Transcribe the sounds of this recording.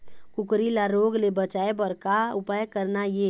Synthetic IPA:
kukɾilaɾoɡlebət͡ʃaebəɾkaupajkəɾnaje

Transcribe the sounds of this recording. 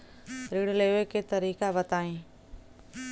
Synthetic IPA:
ɾiːɽleːʋekeːt̪ɐɾiːkaʋɐt̪aːĩː

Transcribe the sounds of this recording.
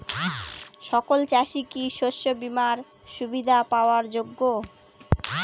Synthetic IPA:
ʃɔkolt͡ɕaʃikiʃoʃːobimaɾ | ʃubid̪ʱapaoaɾd͡ʑoɡːo

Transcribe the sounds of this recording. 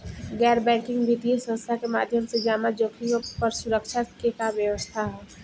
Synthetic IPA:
ɡɛːɾbɛ̃ːŋkɪ̃ŋɡbʱiʈiesə̃st̪ʰakema̰ːd̪ʱjəmsed͡ʒaːmad͡ʒoːkʰijõpəɾsʊɾəkʃakekaʋjəʋəst̪ʰaɦɛː

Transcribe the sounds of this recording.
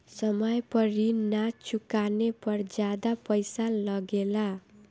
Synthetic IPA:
sʌmʌjpʌɾinat͡sukanepʌrd͡zad̪apʌjsalʌɡela

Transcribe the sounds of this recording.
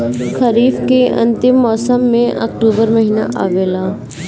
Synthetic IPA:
kʰɐɾiːfkeɐ̰̃nt̪ɪmːɔːsəmːẽʔɐ̰ːkʈuːbəɾmɐɦiːna̰ʔa̰ːʋeːlaː

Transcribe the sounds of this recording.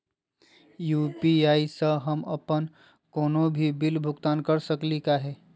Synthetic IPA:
juːpiaːisəɦəmɐ̰pən | koːnobʱibɪlbʱʊɡt̪aːnkəɾsəklikaɦɛː

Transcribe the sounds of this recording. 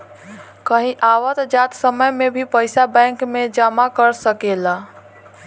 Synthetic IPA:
kəɦĩʔawət̪d͡ʒat̪səməjmebʱipəɪsabɛ̃ŋkmed͡ʒamakəɾsəkela

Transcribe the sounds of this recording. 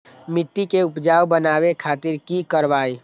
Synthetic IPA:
mɪt̪ːikeʊpd͡ʒaːwbənaːwekʰaːt̪ɪɾkikəɾʋaːi

